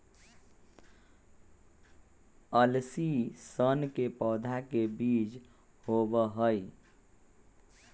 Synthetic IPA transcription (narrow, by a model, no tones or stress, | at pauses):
əlsisənkepɔd̪ʱakebiːd͡ʒ | hobəɦəi